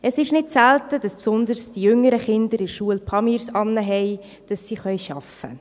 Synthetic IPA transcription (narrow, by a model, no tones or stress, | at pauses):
ʔəsɪʃnɪt̚sæltəd̥ɑspsʊndəɾsd̥ijʏŋəɾəχɪndəɾɪʃuəlpʰɑmiɾsɑnːəɦɛɪ | d̥ɑsːiχœjʃɑ̰fə̰